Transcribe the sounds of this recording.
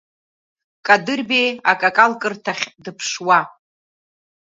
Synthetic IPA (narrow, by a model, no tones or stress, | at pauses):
kʼadɨrbejakʼakʼalkʼɨrtʰaχʲdɨpʰʂwa